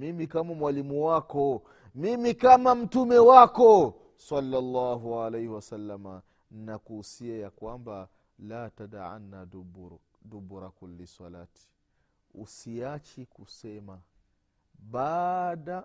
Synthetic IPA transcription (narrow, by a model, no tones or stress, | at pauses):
mimikamamwalimuwakɔ | mimikamam̩tumɛwakɔ | sɑlːalːaːɦualɛjhiwasalːama | ninakuhusiajakwamba | laːtadaʕa̰nːaubɾ | dubuɾakulːisalaːti̥ | ṵsiat͡ʃikusɛma | ɓaːɗa